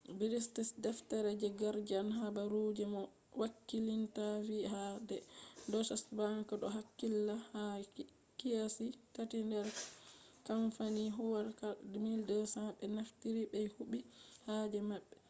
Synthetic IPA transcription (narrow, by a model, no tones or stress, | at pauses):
biɾistisdɛftaɾɛd͡ʒɛɡaɾd͡ʒanɦabaɾud͡ʒɛmɔ | wakːilintavihadɛdɔsasbaŋkɔɗɔɦakːilːaha | kijasitatindɛɾ | kamfaniɦuwaɾkadmildɛsaɓɛnaftiɾibɛjhuɓihad͡ʒɛmaɓːɛ